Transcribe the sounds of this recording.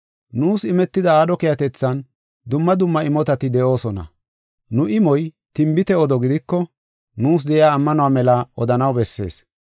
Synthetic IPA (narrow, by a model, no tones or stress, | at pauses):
nuːsɪmɛt̪ːɪd̪ɐaːd̪ɔkɪjɐt̪ɛt͡sːɐn | d̪ʊmːɐd̪ʊmːɐɪmɔt̪ɐt̪ɪd̪ɛʔo̞ːsɔnɐ̰ | nʊʔɪmɔj | t̪ɪmbɪt̪ɛɔd̪ɔɡɪd̪ɪkːɔ | nuːs̬d̪ɛʔɪjaːmːɐnʊwaːmɛlɐɔd̪ɐnɐwbɛsːe̞̰ːs